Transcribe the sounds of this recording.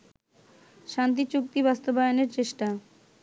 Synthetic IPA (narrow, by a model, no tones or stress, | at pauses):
ʃant̪̬it͡ɕuk̚t̪ibast̪obajoneɾt͡ɕeʃʈa